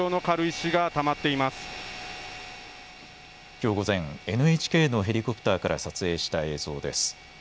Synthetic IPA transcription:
oːno̞kaɾɯ̟iɕiɡat̪amat̪ːe̞imasɨ̥ | kʲo̞ːɡo̞zẽ̞ŋe̞nɯ̟et͡ɕi̥ke̞ːno̞ɦe̞ɾʲiko̞pɯ̥t̪aːkaɾʔa̰sat͡sɨe̞ːɕi̥t̪ae̞ːzo̞ːd̪e̞̰sɨ̥

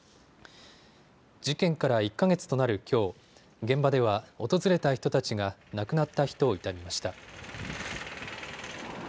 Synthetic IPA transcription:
d͡ʑikẽ̞ŋkaɾaikːaɡe̞t͡sɨ̥t̪o̞naɾɯ̟kʲo̞ː | ɡẽ̞mbad̪e̞β̞ao̞t̪o̞zɨɾe̞t̪açi̥t̪o̞t̪at͡ɕiɡanakɯ̟nat̪ːaçi̥t̪o̞ːit̪amʲimaɕi̥t̪a

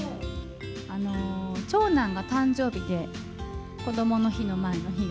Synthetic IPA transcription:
ano̞t͡ɕo̞ːnãŋɡat̪ãɲd͡ʑo̞ːbʲid̪e̞ | ko̞d̪o̞mo̞no̞çino̞mae̞no̞çi

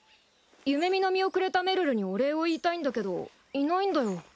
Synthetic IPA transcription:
jɯ̟me̞mʲino̞mʲio̞kɯ̟ɾe̞t̪ame̞ɾɯ̟ɾɯ̟ɲ̟io̞ɾe̞oiːt̪aĩnd̪ake̞d̪o̞̰ | inaĩnd̪ajo̞

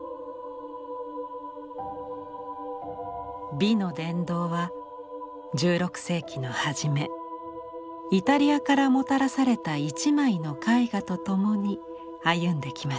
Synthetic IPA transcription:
bʲino̞d̪ẽ̞nd̪o̞ːβa | d͡ʑɨːɾo̞kɯ̟̥se̞ːkʲino̞haʑime̞ | it̪aɾʲiakaɾamo̞t̪aɾasaɾe̞t̪ait͡ɕimaino̞kaiɡat̪o̞t̪o̞mo̞ɲ̟i | ajɯ̟̃nd̪e̞kʲima

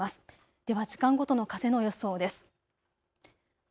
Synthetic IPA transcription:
asɨ̥ | d̪̥e̞βaʑikãŋɡo̞t̪o̞no̞kaze̞nojo̞so̞ːd̪e̞sɨ̥

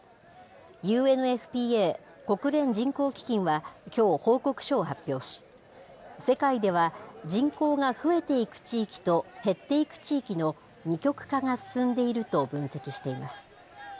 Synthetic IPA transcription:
jɯ̟ːe̞nɯ̟e̞ɸɯ̟̥pʲiːeː | ko̞kɯ̟ɾẽ̞ɲd͡ʑĩŋko̞ːkʲi̥kʲĩɰ̃βakʲo̞ːho̞ːko̞kɯ̟̥ɕo̞ːhapʲːjo̞ːɕi̥ | se̞kaid̪e̞β̞ad͡ʑĩŋko̞ːŋaɸɯ̟e̞t̪e̞ikɯ̟̥t͡ɕiːkʲi̥t̪o̞he̞t̪ːe̞ikɯ̟̥t͡ɕiːkʲino̞ | ɲ̟ikʲo̞kɯ̟̥kaŋasɨ̥sɨ̃nd̪e̞iɾɯ̟t̪o̞bɯ̟̃ɰ̃se̞kʲiɕi̥t̪e̞imasɨ̥

